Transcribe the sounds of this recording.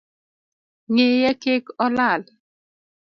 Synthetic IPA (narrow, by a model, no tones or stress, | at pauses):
ŋejɛkekɔlal